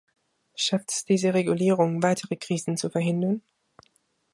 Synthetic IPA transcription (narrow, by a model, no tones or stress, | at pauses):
ʃaftɛ̥sd̥iːzəʁeɡuliːʁʊŋvaɪtʰəʁəkʁ̥iːzn̩t͡sufɛɐɦɪndɐn